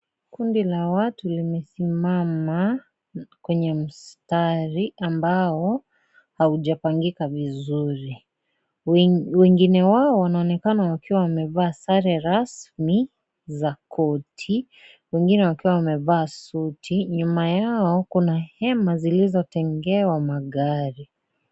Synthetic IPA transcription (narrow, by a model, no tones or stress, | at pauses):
kundilawatulimɛsimama | kwɛɲɛm̩staɾiʔambaɔ | hauʄapaŋɡikavizuɾi | wɛŋɡinɛwaɔwanaɔnɛkanawakiwawamɛvaːsaɾɛɾasmi | zakʰɔtʰi | wɛŋɡinɛwakiwawamɛvaːsutʰiɲumajaɔkunahɛmazilizɔtɛŋɡɛwamaɠaɾi